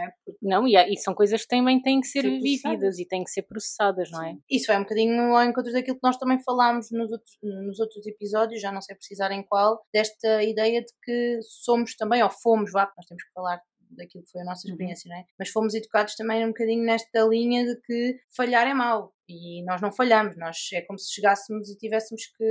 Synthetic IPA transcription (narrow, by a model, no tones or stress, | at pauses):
ɛpunɐ̃w̃iaisɐ̃w̃kojzɐʃk̚t̪ɐ̃j̃bɐ̃j̃t̪ɐ̃j̃kseɾviviðɐzit̪ɐ̃jẽkseɾpɾusɨ̥saðɐʒnɐ̃w̃ɛisuvaɛjũb̚kɐðiɲuɔẽŋkõnt̪ɾuðɐkilˠuk̚nɔʃt̪ɐ̃mɐ̃j̃fɐlˠamuʒnuzot̪ɾu̥nuzowt̪ɾuzipizɔðjuʃʒanɐ̃w̃sejpɾsizaɾẽj̃kwalˠd̪̥ɛʃt̪ɐiðɛjɐðɨkɨsomuʃt̪ɐ̃mbɐ̃j̃ɔfomuʃvanɔʃt̪emʊʃkfɐlˠaɾ | d̪ɐkilˠukfojɐnɔsɐiʃpɨɾiẽsjɐnɐ̃w̃ɛmɐʃfomuziðukaðuʃt̪ɐmɐ̃j̃ũb̚ukɐðiɲunɛʃt̪ɐlˠiɲɐðɨkɨfɐʎaɾɛmalˠ | inɔʒnɐ̃w̃fɐʎɐmuʃnɔʃɛkomusɨ̥ʃɨɣasmuzit̪ivɛsmuʃkɨ